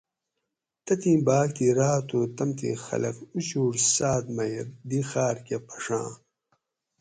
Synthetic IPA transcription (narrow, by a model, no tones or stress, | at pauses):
t̪ɐt̪ĩːbaːkt̪iɾaːt̪ũːt̪ɐmt̪ḭxɐ̰lɐ̰kut͡ɕuːɾsaːd̪mɐjɾd̪ixaːɾkepʰɐ̥ʂã̰ː